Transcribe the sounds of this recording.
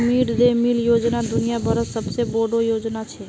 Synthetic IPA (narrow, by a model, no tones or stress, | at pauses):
miɽd̪emiljoːd͡ʒnad̪ʊnijabʱəɾəsəbseboɖojoːd͡ʒnat͡ʃʰɛ